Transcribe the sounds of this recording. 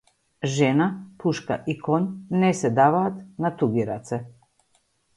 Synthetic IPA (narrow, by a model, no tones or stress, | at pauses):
ʒɛnapuʃka̰ʔikoɲnɛsɛd̪aʋaːt̪nat̪uɡiɾat̪sɛ